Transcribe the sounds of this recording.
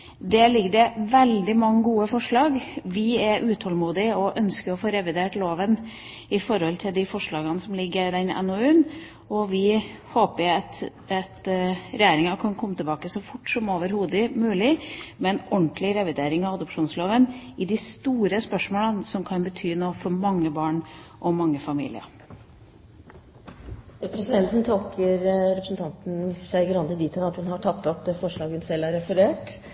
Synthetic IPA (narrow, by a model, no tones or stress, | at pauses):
d̪ɛlɪɡəd̪ɛʋɛld̪ɪmɑŋːəɡuːəfɔʂɭɑːɡʋɪɛʔʉːt̪ʰɔlmuːd̪ɪɔʔœnskəɾɔfoːɾɛʋɪd̪eːʈloːʋən | ɪfɔɾhɔlt̪ʰɪld̪ɪfɔʂɭɑːɡənəsɔmlɪɡːəɾɪd̪ɛnɛ̰nɔʉːn | ɔʋɪhoːpət̪ | ɑt̪ɾɛjeːɾɪŋɑkʰɑnkʰɔmːət̪ʰɛlbɑːkəsɔfʊʈːsɔmoːʋəɾhuːd̪ɪmʉːlɪmɛnɔɳt̪lɪɾɛʋɪd̪eːɾɪŋɑʋɑd̪ʊpʂuːnsloːʋənɪd̪ɪst̪uːɾəspœʂmoːlənsɔmkʰɑnbət̪ʰyːnoːfɔɾmɑŋːəbɑːɳʔɔmɑŋːəfɑmḭːlɪ̰ə̰ɾ | ɾɛpɾɛsɪd̪ɛnt̪n̩t̪ʰolkʰəɾɾɛpɾəsnt̪ʰɑnt̪n̩sæɪɡɾɑnd̪əd̪iːt̪ənɑt̪hʉnhɑʈʰɑt̪ʰːɔpd̪fɔʂɭɑːɡʉnsɛlæɾɛfəɾeːʈ